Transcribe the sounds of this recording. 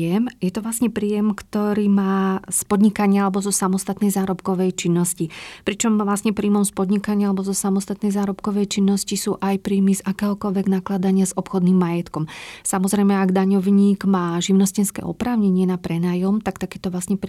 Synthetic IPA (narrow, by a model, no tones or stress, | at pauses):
ɛmjɛt̪ɔʋlasɲɛpɾiːjɛmkt̪ɔɾiːmaːspɔd̪ɲikaɲɪaalɛbɔzɔsamɔst̪at̪nɛjzaːɾɔpkɔʋɛjt͡ʃinːɔscipɾit͡ʃɔmvlasɲɛpɾiːmɔmspɔd̪ɲikaɲɪalɛbɔzɔsamɔst̪at̪nɛjzaːɾɔpkɔʋɛjt͡ʃinːɔscisuːʔajpɾiːmizakɛːɦɔkɔʎʋɛɡnaklad̪aɲɪazɔpxɔd̪nimːajɛt̪kɔmsamɔzɾɛjmɛaɡd̪aɲɔʋɲiːɡmaːʒiʊnɔscɛnskɛ̰ʔɔ̰pɾaːʊɲɛɲɪɛnapɾɛnaːjɔmt̪akt̪akɛːt̪ɔʋlasɲɛp